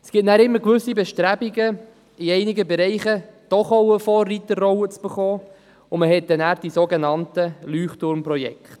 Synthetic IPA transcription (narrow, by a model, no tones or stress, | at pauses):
sɡ̥ɪtnæːɾɪmːəɾkʋɵsibɛʃtɾæbiɡə | iɛɪnɪɡəbɛɾɛɪχəd̥ɔχoʊwəfɔːrːitərːɔʊət͡sb̥ɛχɔː | ʊməɦɛt̚d̥ɛnæːɾd̥isoɡenɑntəlyːχtʊɾmprɔjɛ̰kχt